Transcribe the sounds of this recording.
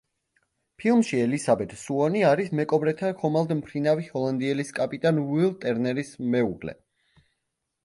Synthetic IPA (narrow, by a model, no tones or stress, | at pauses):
pʰilˠmʃiɛlisabɛt̪ʰsuɔniaɾismɛkʼɔbɾɛt̪ʰaχɔmalˠd̪mpʰɾinavihɔlˠand̪iɛliskʼapʼit̪ʼanwilˠt̪ʼɛɾnɛɾismɛuɡlɛ̰